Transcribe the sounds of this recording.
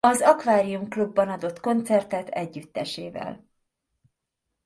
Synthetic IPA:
ɒzɒkvaːɾijumklubːɒnɒd̪o̞t̪ko̞nt̪sɛrt̪ɛt̪ɛɟːyt̪ːɛʃeːvɛ̰l

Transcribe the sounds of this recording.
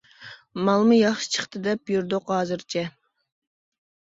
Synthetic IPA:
mɑlˠmɨjɑχʃi̥t͡ʃʰə̥χt̪ʰɨd̪ɛpjyɾd̪ʊqɦɑːzɨɾt͡ʃʰɛ

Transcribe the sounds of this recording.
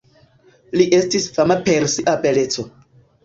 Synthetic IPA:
liʔe̞stisfamapeɾsiʔapele̞t͡so̞

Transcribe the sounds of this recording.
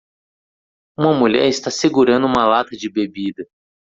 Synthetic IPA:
ũmɐmuʎɛ̰ɾɪst̪aseɡuɾɐ̃nd̪ʊũmɐlat̪ɐd͡ʒɪbebid̪ɐ

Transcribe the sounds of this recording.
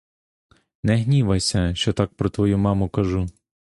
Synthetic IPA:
nɛɦnʲiʋɐsʲɐʃt͡ʃɔt̪ɑk̚pɾɔt̪ʋɔjumɑmʊkɐʒu

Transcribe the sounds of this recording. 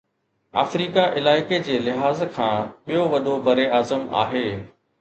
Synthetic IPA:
a̰ːfɾiːkaʔɪlaːɪked͡ʑeːlɪɦaːzkʰãːɓijoʋɐd̪ʱobɐɾeaːzəma̰ːɦeː

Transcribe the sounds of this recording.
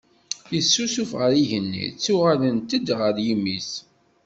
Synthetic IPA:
jəsːusufʁəɾiʝənːḭt͡sːuʁalənt̪əd̪ʁəɾjimːis

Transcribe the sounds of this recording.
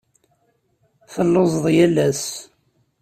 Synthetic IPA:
fəlːozˤðˤjælæs

